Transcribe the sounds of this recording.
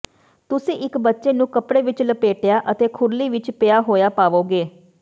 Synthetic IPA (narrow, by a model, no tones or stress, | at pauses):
t̪ʊsĩːʔɪkbətːʃeːnũːkəpɽeːʋɪt͡ʃləpeːʈjaːʔət̪eːkʰʊɾliːʋɪt͡ʃpɪjaːɦoːjaːpaːʋoːɡeː